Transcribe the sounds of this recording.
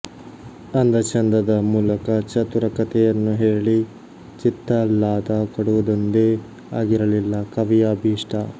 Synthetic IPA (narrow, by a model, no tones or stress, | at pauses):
ɐnd̪ɐt͡ʃɐnd̪ɾɐd̪ɐmuːlɐkɐt͡ʃɐt̪uɾɐkɐt̪ɛjɐnːuɦeːɭi | t͡ʃit̪ːɐlaːd̪akoɽuʋɐd̪ond̪eː | aːɡiɾɐlilːɐkɐʋijaːbiːʂʈʰɐ